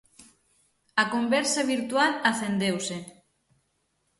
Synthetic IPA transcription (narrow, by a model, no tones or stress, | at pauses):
akombɛɾsaβiɾt̪ualaθend̪ewse